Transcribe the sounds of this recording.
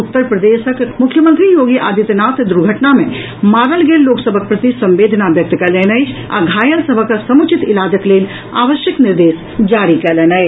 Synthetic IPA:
ʊt̪ːəɾpɾɐd̪eːʃəkmʊkʰjəmə̃nt̪ɾijoːɡiʔaːd̪it̪naːt̪d̪uɾɡʱəʈnamẽ | maːɾəlɡeːlːoːksəbʱək̚pɾət̪isɐ̃mʋeːd̪ʱnaʋjək̚t̪kɐleːnəjd͡ʒa̰ɡʱaːjəlsəbʱəksɐmʊt͡ʃɪt̪ɪlaːd̪əkleːl | a̰ːʋəʃjəknɪɾd̪eːs | d͡ʒaːɾikɐleːnai

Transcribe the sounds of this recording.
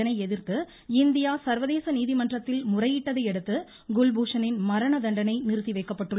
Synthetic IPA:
ɐnɐɪɛðɪɾt̪ːɯ | ɪnd̪ɪjaːsɐɾʋɐðeːsɐniːðimɐndrɐt̪ːɪlmʊrɐjɪʈːɐðɐɪɛɽɯt̪ːɯ | ɡʊlbuːʂɐnɪnmɐɾɐɳɐd̪ɐɳɖɐnɐɪnɪɾɯt̪ːɪʋɐɪkːɐpːɐʈːɯɭːɐ

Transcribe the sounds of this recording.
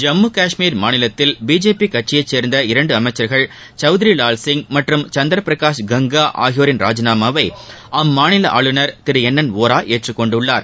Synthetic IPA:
d͡ʒɐmːukaːʂmiːɾmaːnɪlɐt̪ːɪlbiːd͡ʒeːpikɐʈ̚t͡ʃːɪjɐɪt͡ʃːeːɾnd̪ɐɪɾɐɳɖɯɐmɐɪt͡ʃːɐɾɣɐɭ | t͡ʃɐʊðɪɾilaːlsɪŋɡmɐʈrɯmt͡ʃɐnd̪ɐɾɐpɾɐkaːʂɡɐŋɡaːʔa̰ːɣɪjoːɾɪnɾa̰ːd͡ʒɐnaːmaːʋɐɪɐmːaːnɪlɐʔa̰ːɭɯnɐɾt̪ɪɾɯɛnːɐnʋoːɾaːʔeːʈrɯkːɔɳɖʊɭːaːɾ

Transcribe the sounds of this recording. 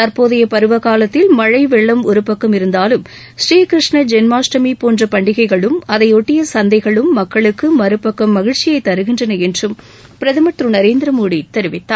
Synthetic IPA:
t̪ɐɾpoːðɐjɐpɐɾɯʋɐɣaːlɐt̪ːɪlmɐɻɐɪʋɛɭːɐmɔɾɯpːɐkːɐmɪɾɯnd̪aːlɯm | sɾiːkɪɾɪʂɳɐd͡ʒɛnmaːsʈɐmipoːndrɐpɐɳɖɪɣɐɪɣɐɭɯmɐðɐɪɔʈːɪjɐsɐnd̪ɐɪɣɐɭɯmːɐkːɐɭɯkːɯmɐɾɯpːɐkːɐmːɐɣɪɻt͡ʃːɪjɐɪt̪ːɐɾɯɣɪndrɐnɐɛndrɯm | pɪɾɐðɪmɐʈrɯnɐɾeːnd̪ɪɾɐmoːɽit̪ɛɾɪʋɪt̪ːa̰ː

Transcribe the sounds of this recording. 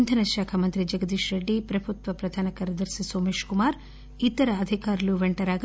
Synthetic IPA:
nd̪ʱɐnɐʃaːkʰɐmɐnt̪ɾid͡ʒɐɡɐd̪iʃɾɐɖːipɾɐbʱut̪ʋɐpɾɐd̪ʱaːnɐkɐɾɐd̪ɐɾsisoːmeːʃkumaːɾ | it̪ːɐɾɐːd̪ʱikaːɾɐluʋeɳʈɐɾaːɡ

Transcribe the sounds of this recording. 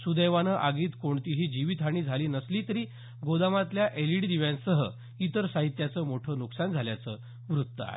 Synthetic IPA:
sud̪əjʋanəʔaɡiːt̪koɳt̪iɦiːd͡ʑiʋit̪ʰaɽ̃iːd͡zʱaliːnəsliːt̪əɾiː | ɡod̪amat̪ljaʔeliʈd̪iʋjãnsəɦə | it̪əɾsaɦit̪jat͡səːmoʈʰəːnuksand͡zʱaljat͡səː | ʋɾut̪ːəa̰ḛ

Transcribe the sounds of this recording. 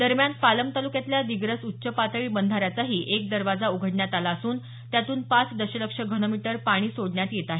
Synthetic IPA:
d̪əɾmjanpaləmt̪alukjat̪ljad̪iɡɾəsutːɕəpat̪əɭiːbənd̪ʱaɾjat͡saɦiːʔek̚d̪əɾʋad͡zauɡʱəɽɳjat̪alaəsuːn | t̪jat̪uːnpat͡sd̪əɕələkʂəɡʱənomiʈəɾpaɽ̃iːsoɽɳjat̪jet̪aɦe

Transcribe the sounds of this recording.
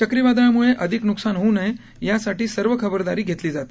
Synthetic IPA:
t͡ɕəkɾiʋad̪aɭamuɭeʔəd̪ʱiknuksanɦonəj | jasaʈiːsəɾʋəkʰəbəɾd̪aɾiːɡʱet̪liːd͡zat̪

